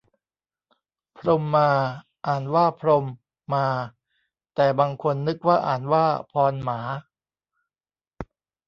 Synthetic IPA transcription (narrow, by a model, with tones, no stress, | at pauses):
pʰɾo˧mːaː˧ | ʔaː˨˩nwaː˥˩pʰɾo˧mː | aː˧ | t̪ɛː˨˩baː˧ŋkʰo˧nːɯ˦˥k̚waː˥˩ʔa̰ː˨˩nwaː˥˩pʰɔː˧nmaː˩˦